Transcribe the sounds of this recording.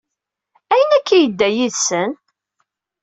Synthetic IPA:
æjənækːijəd̪ːæjiðsən

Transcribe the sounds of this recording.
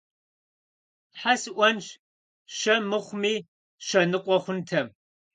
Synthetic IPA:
ħasɨʔʷɔnʃ | ʃɐmɨχʷmiː | ʃɐnɨqʷʼɔχʷʊntʰɐm

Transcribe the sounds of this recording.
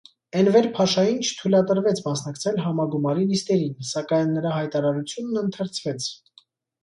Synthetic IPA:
ɛnvɛɾpʰɑʃɑjint͡ʃʰə̥t̪ʰujlɑt̪əɾvɛt͡sʰmɑsnɑkt͡sʰɛlɦɑmɑɡumɑɾinist̪ɛɾinsɑkɑjnːəɾɑɦɑjt̪ɑɾɑɾut͡sʰjunːənt̪ʰəɾt͡sʰvɛt͡sʰ

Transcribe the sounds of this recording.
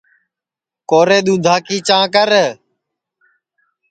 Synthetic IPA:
koːɾeːɗ̪ũːd̪ʱaːkiːt͡ʃãːk̬əɾ

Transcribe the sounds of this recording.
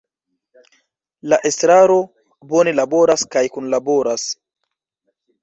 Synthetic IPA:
laʔe̞stɾaɾo̞ | bo̞ne̞labo̞ɾaskajkunlabo̞ɾas

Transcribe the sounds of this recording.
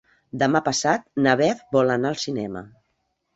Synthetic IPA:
d̪əmapəsat̪naβɛfbɔlənaəlˠsinɛmə̰

